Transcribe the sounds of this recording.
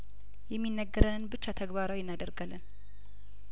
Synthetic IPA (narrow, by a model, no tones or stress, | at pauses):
jɛmːinːəɡːəɾənɨnbɨt͡ʃːat̪ʰəɡbaɾawjɪnːad̪əɾɡalːɨn